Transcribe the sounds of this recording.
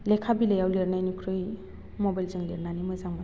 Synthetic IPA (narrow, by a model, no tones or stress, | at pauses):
lekʰabilejawleɾnajnikʰɾɯj | mɔbajlzɯŋleɾnanimɯjzaŋma